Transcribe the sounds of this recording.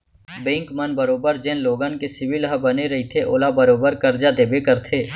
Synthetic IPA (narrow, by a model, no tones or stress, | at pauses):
bẽːŋkmənbəɾoːbəɾd͡ʒẽːnloːɡənkesɪʋɪlɦəbɐneɾɐɦit̪ʰeʔoːlabəɾoːbəɾkɐɾd͡ʒad̪eːbekəɾt̪ʰeː